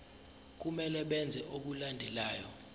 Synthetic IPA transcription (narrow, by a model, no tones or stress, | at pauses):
k̬umɛlɛɓɛnd͡zʱɛʔoɓulandʱɛlaːjɔ